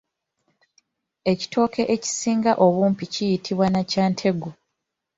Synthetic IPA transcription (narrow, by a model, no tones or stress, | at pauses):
e̞ci̥tʰo̞ːkʰe̞ʔeci̥siːŋɡaʔo̞βuːmpicijitʰiβwanacaːntʰe̞ɡo